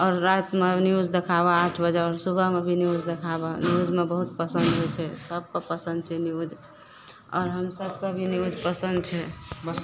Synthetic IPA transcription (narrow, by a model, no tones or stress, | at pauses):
ɔːɾːat̪meniud͡ʒd̪ekʰabaːʈʰbəd͡ʒaɔːɾsubʱəmebʱiniud͡ʒd̪ekʰabaniud͡ʒmebəɦut̪̚pəsənd̪ɦojt͡ʃʰɛsəb̚kəpəsə̃nd̪̚t͡ʃʰɛniud͡ʒ | ɔ̰ːɾɦəmsəb̚kə̃bʱiniud͡ʒpəsə̃nd̪t͡ʃʰɛ